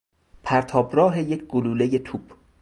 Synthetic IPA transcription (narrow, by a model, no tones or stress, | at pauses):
pʰæɾt̪ʰɒːbrɒːɦe̞jecʰɡoluːle̞je̞t̪ʰuːb̥